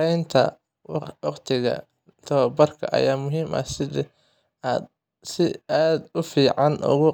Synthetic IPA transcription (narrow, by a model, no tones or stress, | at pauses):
ɛjnt̪ʰɐ̰ | wɑqt̪ʰɪɣɐ̰ | t̪ʰɐɐbɐrkʰɐ̰ʔɐ̰jaːmʊɦiːmʔɐ̰sɪðɛ | aːd̪ | sɪaːd̪ʊfiːʕɑnʊ̰ɣʊ